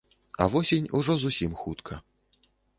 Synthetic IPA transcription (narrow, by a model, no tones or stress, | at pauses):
ɐ̰vɔsʲenʲuʐɔzusʲimxut̪kʰɐ